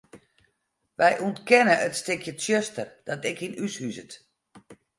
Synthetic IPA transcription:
ʋɛjʔuntkɛnəətstɪkʰjəsjøstərd̥ɔtɛkinyshyzət

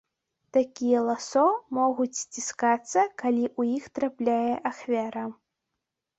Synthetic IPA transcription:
t̪akʲijɛlˠasɔmɔɣut͡sʲsʲt͡sʲiskat̪sːɐkalʲiʔujixt̪ɾaplʲajɛʔaxvʲaɾɐ

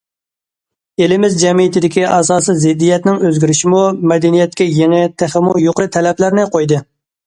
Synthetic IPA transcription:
elɪmɪzd͡ʒɛmijit̪ʰɪd̪ɪkʲiʔɑsɑːsɨzɪd̪ːijɛt̪nɪŋøzɡʲyɾɪʃimumɛd̪ɛnijɛt̪̚kʲɛjeŋɛt̪ʰæχɪmujoqɾɨt̪ʰɛlɛplæɾnɪqʰojd̪ɨ

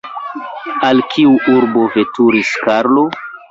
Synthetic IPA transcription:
alkʰiuʔuɾbo̞vetuɾiskaɾlo̞

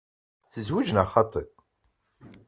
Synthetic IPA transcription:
θəzwid͡ʒənaχɑt̪ˤəðˤ

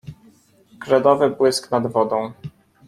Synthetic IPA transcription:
ɡɾɛd̪ɔvɘbwɘsknad̪vɔd̪ɔ̃w̃

